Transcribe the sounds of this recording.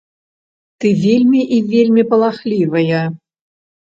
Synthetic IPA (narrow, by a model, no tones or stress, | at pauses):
t̪ɨvʲelʲmʲiʔivʲelʲmʲipɐlˠaxlʲivɐjɐ